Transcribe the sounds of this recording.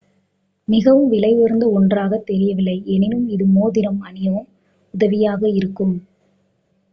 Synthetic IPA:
mɪɣɐʋɯmʋɪlɐɪʋɔɾnd̪ɐɔndraːɣɐt̪ːɛɾɪjɐʋɪlːɐɪʔɛnɪnɯmɪðɯmoːðɪɾɐmɐnɪjɐʋɐm | ʊðɐʋɪjaːɣɐɪɾɯkːɯm

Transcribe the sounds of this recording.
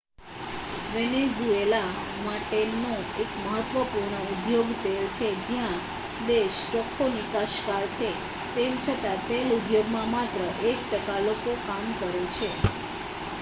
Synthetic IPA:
ʋɛnezuelamaʈenoekməɦət̪ʋəpuɾɳəud̪joɡt̪elt͡ʃʰed͡ʒijã | d̪eʃʈɔkʰonikaʃkaɾt͡ʃʰe | t̪emt͡ʃʰət̪at̪elud̪joɡmãmat̪ɾəʔek̚ʈəkalokokamkəɾet͡ʃʰe

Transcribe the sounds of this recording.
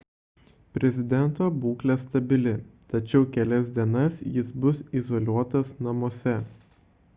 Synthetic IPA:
pʲɾʲɛzʲɪd̪ʲɛnˑt̪oːbuːklʲɛst̪ɐbʲɪlʲɪt̪ɐt͡ʃʲɛʊkʲɛlʲɛs̬ʲd̪ʲiɛnɐsjɪsbʊsizoːlʲuɔt̪ɐsnɐmoːsʲɛ

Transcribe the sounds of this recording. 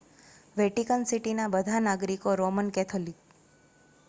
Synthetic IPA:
ʋɛʈikənsiʈinabəd̪ʱanaɡɾikoɾomənkɛt̪ʰolik

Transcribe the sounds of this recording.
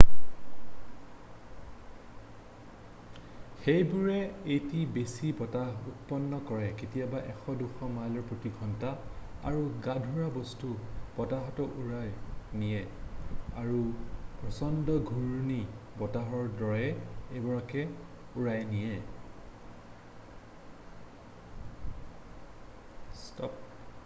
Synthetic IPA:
xejbuɹɛejtibesibɔtaɦut̚pɔnːɔkɔɹɛketijabaʔɛxɔduxɔmalɔɹpɹotiɡʱɔntaa̰ɹuɡadʱuɹabɔstub̥ɔtaɦɔtɔʔuɹajnijɛ | aɹupɹɔsɔndɔɡʱuɹni | bɔtaɦɔɹdɔɹɛebɔɹakɛ | uɹajnijɛ | stɔp

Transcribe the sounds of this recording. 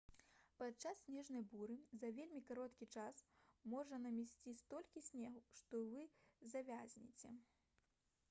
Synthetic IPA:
pat͡ʂasːʲnʲɛʐnɐjbuɾɨzɐvʲelʲmʲikaɾɔt̪kʲit͡ʂasmɔʐɐnɐmʲɛsʲt͡sʲist̪ɔlʲkʲisʲnʲɛɣʂt̪ɔvɨzɐvʲazʲnʲḭt͡sʲɛ

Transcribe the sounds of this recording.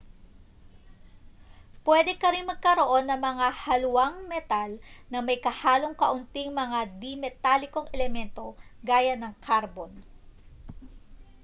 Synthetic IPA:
pwɛd̪ɛkɐɾɪnmɐɡ̚kɐɾo̞ʔo̞nːɐŋmɐŋahɐlʊwaŋmɛt̪alnɐmɐjkɐhaːloŋkɐʔʊnt̪iŋmɐŋad̪imɛt̪alɪko̞ŋʔɛlɛmɛnt̪o̞ɡaːjɐnɐŋkʰaɾbon

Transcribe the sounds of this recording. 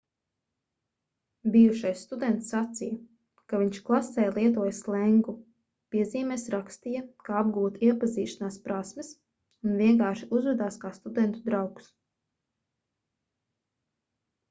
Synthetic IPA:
bijuʃajsst̪ud̪ɛnt̪sːat̪sijɐ | kaviɲʃklˠasɛːjlˠiɛt̪uɔjslˠɛŋɡu | piɛziːmɛsɾakst̪ijɐkaab̚ɡuːt̪iɛpaziːʃanaːspɾasmɪs | unviɛŋkaːʃiʔuzvɛd̪aːskaːst̪ud̪ɛnt̪ud̪ɾawks

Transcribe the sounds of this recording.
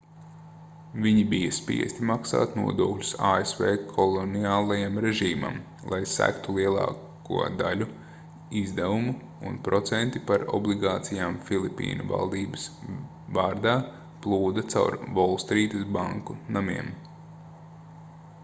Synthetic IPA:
viɲibijɐspḭɛst̪imaksa̰ːt̪nṵɔd̪uɔklʲu̥saːesveːkʰɔlˠɔniaːlˠajamɾeʒiːma̰m | lˠajsæ̰kt̪ulˠiɛlˠɑ̰ː | kṵɔd̪alʲu | izd̪ævumu | ṵnpɾʔɔt̪sɛnt̪ipaɾɔ̰blˠiɡaːt̪sijaːmfilˠipːḭːnuva̰lˠd̪iːbɐs | vaːɾd̪aː | plˠuːd̪ɐt̪sa̰wɾvɔlˠst̪ɾiːt̪ɐsbaŋkunamiɛm

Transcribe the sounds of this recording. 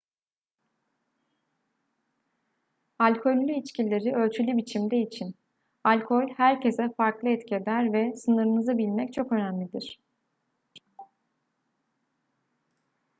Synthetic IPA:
alʲkʰo̞lʲːyit͡ʃcilʲːe̞ɾiø̞lʲt͡ʃʰylʲybit͡ʃʰimd̪ɛit͡ʃʰin | alʲkʰo̞lʲhæɾcʰe̞zɛfaɾklˠɯɛt̪cʰed̪æɾvɛsɯnɯɾɯnɯzabilʲmɛc̚t͡ʃʰo̞kø̞næmlʲid̪iɾ̝̥

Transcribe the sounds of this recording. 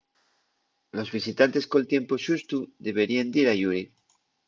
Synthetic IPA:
lo̞zβisit̪ant̪e̞skolt̪je̞mpoʃust̪uðe̞βeɾiend̪iɾaʝuɾi

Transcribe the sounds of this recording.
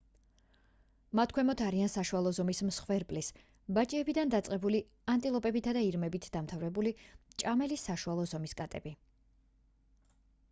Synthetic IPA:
mat̪ʰkʰwɛmɔt̪ʰaɾiansaʃualˠɔzɔmismsχwɛɾpʼlis | bat͡ʃʼiɛbid̪and̪at̪sʼqʼɛbuli | ant̪ʼilˠɔpʼɛbit̪ʰad̪aiɾmɛbit̪ʰd̪amt̪ʰavɾɛbulit͡ʃʼamɛlisːaʃualˠɔzɔmiskʼat̪ʼɛbi

